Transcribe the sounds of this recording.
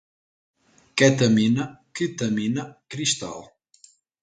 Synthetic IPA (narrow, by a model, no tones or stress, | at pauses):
kɛt̪əminəkit̪əminəkɾist̪a̰lˠ